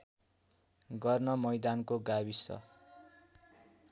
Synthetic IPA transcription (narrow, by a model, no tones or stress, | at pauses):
ɡʌrnʌmʌjd̪ankoɡabisʌ̰